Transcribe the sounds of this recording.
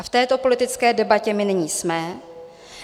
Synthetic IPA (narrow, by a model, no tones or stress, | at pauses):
aft̪ɛːt̪o̞po̞lɪt̪ɪt͡skɛːdɛbacɛmɪnɪɲiːsmɛ